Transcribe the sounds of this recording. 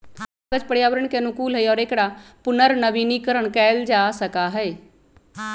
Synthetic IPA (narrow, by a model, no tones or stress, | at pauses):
ɡəd͡ʒpəɽjaːwəɾəɳ̃kenʊ̃kuːlɦɛiɔːɾeːkɽapʊnəɾnəbiːnikəɾəɳ̃kɛːld͡ʒaːsəkaɦɛː